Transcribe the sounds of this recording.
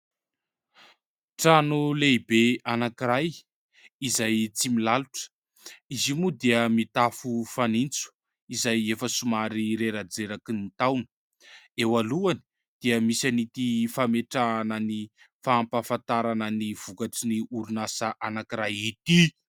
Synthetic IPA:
ʈ͡ʂanulebeanakiɾaj | izajt͡similaluʈ͡ʂə̥ | izimud̪iəmit̪afufanint͡su̥ | izajefəsumaɾiɾeɾad͡zeɾakinit̪awnə̥ | ewaluani̥ | d̪̥iəmisanit̪ifameʈ͡ʂaːnəni | faːmpafant̪aɾanəniv̥ukaʈ͡ʂiniuɾunasaʔanakiɾajit̪i

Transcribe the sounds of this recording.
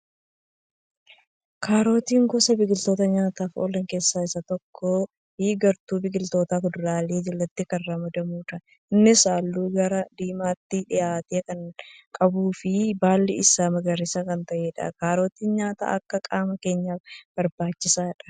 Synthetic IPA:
kʰaːɾoːt̪iːŋɡɔsɐbɪɡɪlt̪o̞ːt̪ɐɲaːt̪aːfo̰ːlɐŋke̞ːsːaːɪsɐt̪ɔkʰːo | hiːɡɐɾt̪uːbɪɡɪlt̪o̞ːt̪aːkʊd̪ʊɾaːleːd͡ʒɪlːɐt̪ːɪkɐrːamɐd̪ɐmuːt̪ɐ | ʔɪnːɪsaːlːuːɡɐɾɐd̪iːmaːt̪ːɪᶑɪjaːt̪eːkɐŋkʼɐbuːfɪbaːlːɪʔɪsaːmɐɡɐɾɪsɐkɐnt̪ɐʔeːᶑɐ̰kaːɾo̞ːt̪iːnɲaːt̪a̰ːʔɐkːɐkʼaːmɐke̞ːɲːaːfb̥ɐɾbaːt͡ʃːɪsaːᶑɐ̥

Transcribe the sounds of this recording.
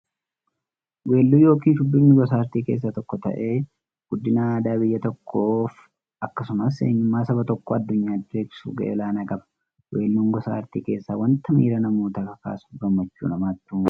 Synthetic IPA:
we̞ːlːuːjo̞ːkiːndʊd̪ːʊnːɪɡɔsaːɾt̪iːke̞ːs̬ːɐt̪ɔkːɔt̪ɐ̰ʔe̞ː | ɡ̥ʊd̪ːɪnɐaːd̪aːbɪjːɐt̪ɔkʰːoːf | ɐkːɐsʊmɐs̬ḛːɲːʊmːaːsɐbɐt̪ɔkːɔɐd̪ːʊɲːaːd̪ɪɾe̞ːbɪ̥sṵːɡɐ̰ʔḛːlaːnɐkʼɐbɐ̥ | wʔe̞ːlːuːŋɡɔsa̰ːɾt̪ḭːke̞ːsːaːwɐnt̪ʰɐmḭːɾɐnɐmuːt̪ɐkɐka̰ːsu̥ːɡɐmːɐt͡ʃːṵːnɐmaːt̪ːuː

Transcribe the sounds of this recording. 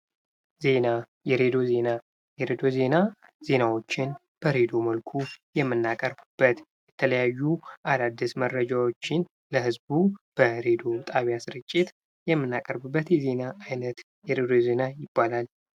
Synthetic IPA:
ze̞na | jɛɾe̞d̪o̞ze̞na | jɛɾed̪o̞ze̞na | z̥e̞nawo̞t͡ʃːɪn | b̥əɾe̞d̪o̞məlkʰujɛmːɨnːakʼəɾbɨb̥ːət̪ | jɛt̪ʰələjajːuʔalad̪ːɨsmərːəd͡ʒawo̞t͡ʃːɪn | ləhɨzbub̥əɾe̞d̪o̞t̪ʼaβjasɨɾɨt͡ʃʼːɪt̪ | jɛmːɨnːakʼəɾbɨbːət̪jɛze̞naːjnət̪ | jɛɾe̞d̪o̞ze̞najɪbːalal

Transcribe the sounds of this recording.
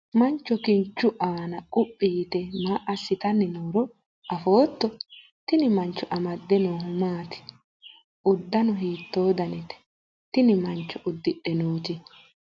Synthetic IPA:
mɐnt͡ʃːɔkɪnt͡ʃːʊʔaːnɐkʼʊpʼːiːt̪ɛmaʔɐsːɪt̪ɐnːɪnoːɾɔ | ɐfo̞ːt̪ːɔ | t̪ɪnɪmɐnt͡ʃːɔʔɐmɐd̪ːɛnoːhʊmaːt̪ɪ̥ | ʊd̪ːɐnɔɦiːt̪ːo̞ːd̪ɐnɛt̪ɛ̥ | t̪ɪnɪmɐnt͡ʃːɔʔʊd̪ːɪɗɛnoːt̪ɪ

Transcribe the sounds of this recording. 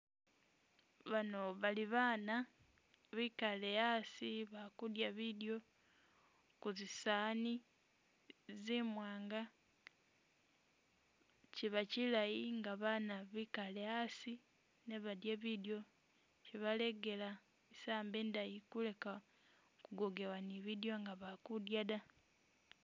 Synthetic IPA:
βano̞βaliβaːna | βikale̞jasiβakudjaβidjo̞ | kuzisani | zimwaːŋɡa | ciβacilajiŋɡaβanaβikale̞jasi | neβadjeβidjo̞ | ciβale̞ɡe̞la | isaːmbeːndajikule̞ka | kuɡoɡe̞waniβidjo̞ŋɡaβakudjala

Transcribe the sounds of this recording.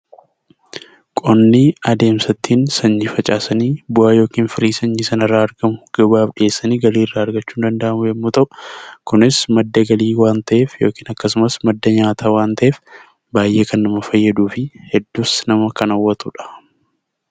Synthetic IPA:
kʼɔnːiɐd̪e̞ːmsɐt̪ːiːnsɐɲːiːfɐt͡ʃʼaːsɐniːbʊaːjo̞ːkiːnfɪɾiːsɐɲːiːsɐnɪrːaːɐɾɡɐmʊɡ̥ɐbaːfᶑɪeːsːɐniːɡɐliːrːaːɐɾɡɐt͡ʃːuːnd̪ɐnd̪ɐʔɐmʊjɛmːuːt̪ɐʔʊ̥kʊnɪsmɐd̪ːɐɡɐliːwaːnt̪ɐʔe̞ːfjo̞ːkiːnɐkːɐsʊmɐsmɐd̪ːɐɲaːt̪ʰaːwaːnt̪ɐʔeːf | baːjʔe̞ːkɐnːɐmɐfɐjːɐd̪uːfɪhɛd̪ːuːsnɐmɐkɐnɐwːɐt̪uᶑɐ̥

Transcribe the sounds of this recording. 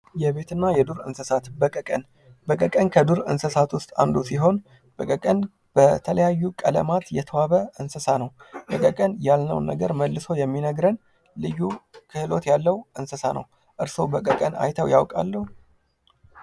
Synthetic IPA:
jɛβe̞t̪ʰɨnːajɛd̪uɾɨ̰nsəsat̪bəkʼəkʼən | bəkʼəkʼənkʰəd̪uɾɨnsəsat̪wʊst̪ʼand̪usiɦo̞n | b̥əkʼəkʼən | b̥ət̪ʰələjajːukʼələ̰mat̪jɛt̪ʰəwaβəʔɨnsəsanəwbəkʼəkʼənjalnə̰wnːə̰ɡəɾməlːɨso̞jɛmːinəɡɾən | lɨjːukʰɨhɨlot̪jalːəwʔɨnsəsanə̰w | ʔɨɾso̞bəkʼəkʼəna̰jt̪ʰəwja̰wkʼa̰lːəhu

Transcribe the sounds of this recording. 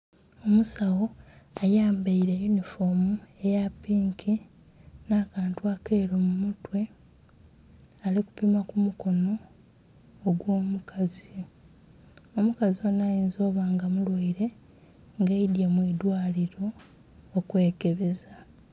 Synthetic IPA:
o̞musawoajaːmbaiɾejunifo̞mue̞japiːŋkʰi | naːkaːntuakeːɾomumutwe̞ | aliku̥pimakumuko̞no̞ː | ɡwo̞ːmukʰazi | omukazionajiːnzo̞ːβaːŋɡamulwaiɾe̞ | ŋɡeidjemwid̪waːliɾo̞ː | kwe̞ːke̞βe̞za

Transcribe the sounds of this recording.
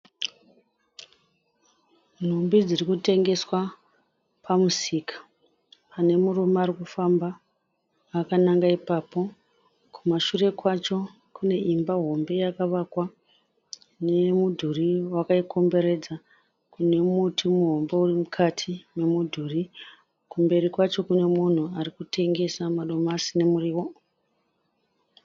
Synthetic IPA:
n̤umbid͡zirikute̞ŋɡe̞swa | pamusikḁ | pane̞murumaːrikufambaː | kanaŋɡaipaːpo̞ | kʰumaʃure̞kwat͡ʃo̞ | kune̞ʔimbaɦo̞mbe̞jakaʋakwa | ne̞mudʱuriwakaiko̞mbe̞ɾe̞d͡za | kune̞mutʰimuɦo̞mbo̞urimukʰatʰime̞mudʱuri | kumbe̞rikwat͡ʃo̞kune̞mun̤uarikute̞ŋɡe̞samaɗo̞masine̞muriːwo̞

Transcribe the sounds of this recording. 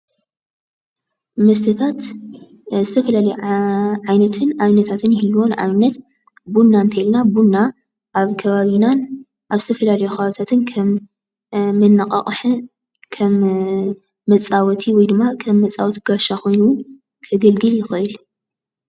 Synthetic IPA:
mɐs̬t̪ʰɐt̪ʰat̪ | zɨt̪ʰɐfɐlalɐjʕajnɐt̪ʰɨnaβnɐt̪ʰat̪ʰɨnjɪhɨlːuwo̞na̰βnːɐt̪ | bunːaɨnt̪ʰɐjilnabunːa | ʔaβkʰɐβaβinan | ʔaβzɨt̪ʰɐfɐlalɐjukʰɐβaβit̪ʰat̪ʰɨnkʰɐmː | ɨnːakʼɐ̰χʼħɨ | kʰɐmː | ɐt͡sʼawɔt̪ʰiwɔjd̪ɨmːakʰɐmːɐt͡sʼawɔt̪ɡaʃakʰo̞jnu | kʰɐɡɐlɡɨljɪxɨʔɨl

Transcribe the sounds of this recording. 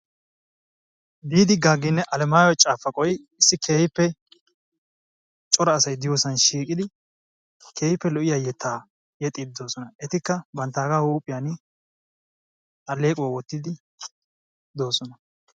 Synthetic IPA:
b̪iːd̪ɪɡaːɡːɪnːɛʔɐlɛmaːjɔt͡ʃʼaːfːɐkʼɔjɪɪsːɪkʰe̞ːjɪpːɛ | t͡ʃʼɔɾɐːsɐjd̪ɪjoːsɐnʃiːkʼɪd̪ɪ | kʰe̞ːjɪpːɛlɔʔɪjaːjɛt̪ʰːaː | jɛt̪ʼːɪd̪o̞ːsɔnɐɛt̪ɪkːɐbɐnt̪ːaːɡaːhuːpʼːɪjaːn | ʔɐle̞ːkʼʊwawɔt̪ːɪd̪ɪ | d̪o̞ːsɔnɐ

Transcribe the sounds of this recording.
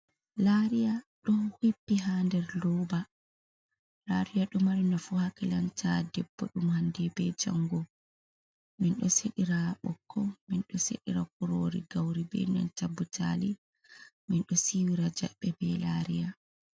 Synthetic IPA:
laɾijaɗɔhipːiɦandɛɾlɔba | laɾijaɗɔmaɾinafuhakilantadɛb̥ːɔ̰ɗumhandɛbɛd͡ʒa̰ŋɡɔ | minɗɔseɗiɾaɓɔkʰːɔminɗɔsḛɗiɾak̚uɾoɾiɡawɾibɛ̰na̰nt͡ʃabutʰa̰li | minɗɔsiwiɾad͡ʒa̰ɓːɛbɛlaɾija

